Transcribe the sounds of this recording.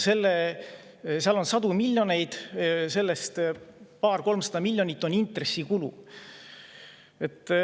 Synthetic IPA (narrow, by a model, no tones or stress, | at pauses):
se̞lːe | seɑlo̞nsɑd̪umilʲjo̞ne̞jd̪̥se̞lːe̞st̪pɑːrko̞lmsɑd̪̥ɑmilʲjo̞nʲit̪ːˑo̞nint̪re̞sːikulṵ | e̞t̪ːˑ